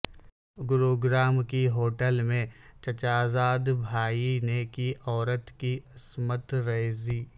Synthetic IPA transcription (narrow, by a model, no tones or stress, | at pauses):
ɡʊɾoːɡɾaːmkiɦoːʈəlmẽt͡ʃɐt͡ʃaːzaːd̪bʱaːinekiɔːɾət̪kiɐsmət̪ɾɐziː